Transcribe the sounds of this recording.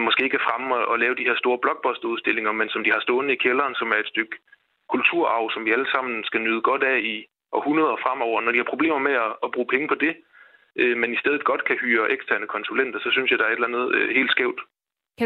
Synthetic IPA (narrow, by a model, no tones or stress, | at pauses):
mɒsɡ̥e̝̰ːe̝ɡ̥æfʁaməɒʔɒ̽lɛːʊd̥ihe̝ɐ̰sd̥o̝ːɐb̥lɒ̽ɡ̥̚b̥ɒ̽sd̥uðˠsd̥e̝le̝ŋɐmensɒ̽md̥ihɑ̈sd̥ɔ̽ːnəikʰelɐːnsɒ̽mæɐe̝d̥sd̥øɡ̥ | kʰult͡sʰuɐ̰ɑ̈ʊsɒ̽mʋiæləsɑ̈m̰n̩sɡ̥ænyð̞ˠəɡ̥ɒ̽d̥æi | ʔɒ̽hunɐð̞ˠɐfʁam̰ɒʊ̰ɐnɒd̥ihɑ̈pʰʁo̝b̥e̝̰ːmɐmeɒːb̥ʁṵːpʰeŋəpʰɒ̽d̥e̝ | ʔømenisd̥eð̞ˠð̩ˠɡ̥ɒ̽d̥kʰæhyːɐʔeɡ̥stʰæɐnəkʰɒ̽nsulen̰d̥ɐsɒ̽synsjɑ̈ɪd̥ɑ̈æɐe̝delænð̩ˠøhe̝̰ːld̥sɡ̥ɛʊd̥